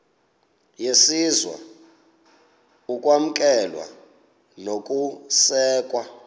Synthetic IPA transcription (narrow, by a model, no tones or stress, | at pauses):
jesizwa̰ | ukʼwam̩kʼɛlwa̰ | nokʼusɛːkʼwa